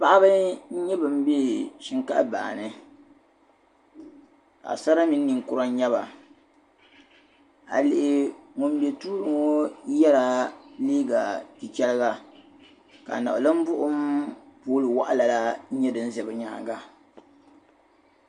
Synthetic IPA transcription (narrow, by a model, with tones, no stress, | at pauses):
pa˦ʔa˦bɨ˦ɲ̩˦ɲɛ˦bɨ˨m̩˦be˦ʃi˦ŋka˦ʔba̰ː˨nɨ˦ | ka̰˨sa˦ɾa˦mi˦nː˦i˨ŋkʊ˦ɾa˦ɲ˦ɲɛ˦βa˨ | a̰˨lɪ˨ʔɪ˨ŋʊ˨m˦bjɛ˨tuː˦lɨ˨ŋo˦jɛ˦la˨liː˦ɡa˨ti˨t͡ʃɛ˦lɨ˦ɡa˦ | ka̰˨na˨lɨ˦m˦bʊ˦ʔʊ˦mpoː˦lɨ˨wa˦ʔa˦la˨la˦ɲɛ˦dɨ˨n̩˦zɛ˨bɨ˨ɲa̰ː˨˦˨ŋɡa˦